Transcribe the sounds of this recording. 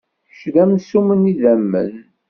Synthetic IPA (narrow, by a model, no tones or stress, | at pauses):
ʃðæmsuməniðæmːə̰n